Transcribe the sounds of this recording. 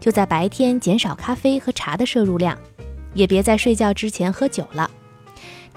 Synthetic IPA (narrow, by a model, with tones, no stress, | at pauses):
t͡ɕjo˥˧ʊt͡sa˥˩pa˧˥ɪt̪ʰjɛ˥nt͡ɕjɛ˧˥nʂɑ˨˩ʊkʰa˥fe˥ɪxɤ˧˥ʈ͡ʂʰa˧˥d̪ə˧ʂɤ˥˧ɻu˥˧ljɑ̰˥˩ŋjɛ˨˩pjɛ˧˥t͡sa˥˧ɪʂwe˥˧ɪt͡ɕjɑ˥˩ʊʈ͡ʂɻ̩˥t͡ɕʰjɛ˧˥nxɤ˧˥t͡ɕjo˨˩ʊlə̰˦